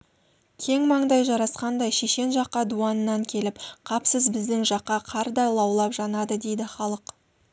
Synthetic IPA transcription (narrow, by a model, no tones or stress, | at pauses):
kʲʰe̞ŋmɑɴd̪ɑjʒɑɾɑsqɑnd̪ɑjʃeʃe̞nʒɑqːɑd̪uɑnənɑŋkʲʰe̞lɪpqʰɑpsəzbɪzd̪ɪŋʒɑqːɑqʰɑɾd̪ɑjlˠɑwlˠɑpʒ̥ɑnɑd̪əd̪e̞jd̪ɪχɑlˠəq